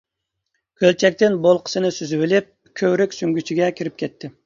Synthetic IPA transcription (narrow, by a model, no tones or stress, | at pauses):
kʲʰølt͡ʃʰɛk̚ʲt̪ɪnbolˠqʰə̥sɨnɪsyzywɪlɪp̚ | kʲʰøwɾɪkʲsyŋɡʲyt͡ʃʰiɡʲɛkʲʰiɾɪp̚kʲʰɛt̪ʰːɪ